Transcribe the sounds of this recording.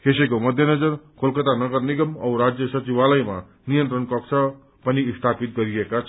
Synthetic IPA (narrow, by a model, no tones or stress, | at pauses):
kʰesekomʌd̪ʱjʌnʌd͡zʌɾkʰolkʌt̪anʌɡʌɾniɡʌmʌwɾad͡zjʌsʌt͡ʃiwalʌjma̰ | nijənt̪ɾənkʌksʰa | pʌnist̪ʰapit̪̚ɡʌɾiekat͡ʃʰ